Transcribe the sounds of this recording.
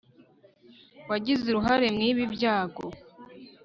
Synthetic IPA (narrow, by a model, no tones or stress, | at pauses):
waɟizeɾuɦaɾe̞mŋiːβibjaːɡo̰